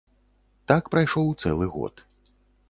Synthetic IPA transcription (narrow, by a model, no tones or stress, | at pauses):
t̪akpɾajʂɔwt̪sɛ̰lˠɨɣɔ̰t̪